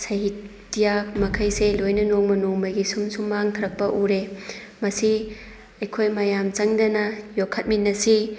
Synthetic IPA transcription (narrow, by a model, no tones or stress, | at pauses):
sɐɦit | tijamɐkʰɐjselojnɐnoŋmɐnoŋmɐjɡisumsumːaŋtʰɐɾɐk̚pɐʔuɾe | mɐsi | ɐjkʰojmɐjamt͡ʃɐŋdɐnɐjokʰːɐt̚minːɐsi